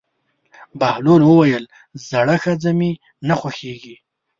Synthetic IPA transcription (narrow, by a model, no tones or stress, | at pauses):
bahlolwəwajəl | zaɽaxad͡zami | naxwaxeɡi